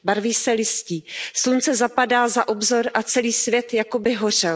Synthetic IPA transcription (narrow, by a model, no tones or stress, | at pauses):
baɾviːsɛlɪsciːslunt͡sɛzapadaːzaʔo̞bzo̞ɾʔat͡sɛliːsvjɛt̪jako̞bɪɦo̞r̝ɛl